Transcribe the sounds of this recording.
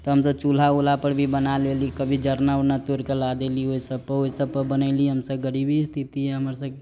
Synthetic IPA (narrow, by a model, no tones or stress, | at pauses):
t̪ɔɦəmsəbt͡ʃul̤aulapəɾbʱibənalelikəbʱid͡ʒəɾnaonat̪oɾkelad̪elioisəb̚pəoisəb̚pəbənəɪliɦəmsəbɡəɾibist̪ʰit̪iɦɛɦəməɾsəb